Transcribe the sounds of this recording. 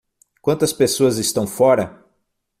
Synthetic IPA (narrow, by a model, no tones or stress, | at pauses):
kwɐ̃nt̪ɐspesoɐzɪst̪ɐ̃w̃fɔɾɐ